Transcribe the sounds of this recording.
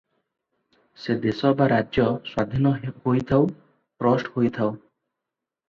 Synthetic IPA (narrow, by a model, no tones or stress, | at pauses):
sed̪esɔbaɾaɔswad̪ʱinɔhojt̪ʰaw | pɾɔsʈhojt̪ʰaw